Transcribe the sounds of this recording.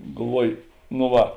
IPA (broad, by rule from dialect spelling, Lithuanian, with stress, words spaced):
ɡɐlˠˈʋuɔj noː ˈʋɐ